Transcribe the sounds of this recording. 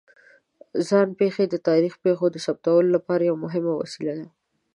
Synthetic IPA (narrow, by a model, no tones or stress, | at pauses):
zɑnpexed̪ət̪ɑɾixpexod̪əsap̚t̪awəlolapɑɾajawamʊɦɪmawa̰silad̪a